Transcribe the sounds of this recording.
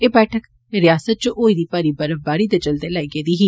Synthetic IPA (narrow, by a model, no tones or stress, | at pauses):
eːbɛːʈʰək | ɾɪjaːsət̪̚t͡ʃõʔoːid̪iːpaːɾibəɾəʋbaːɾid̪et͡ʃəld̪elaːiɡeːd̪iːɦiː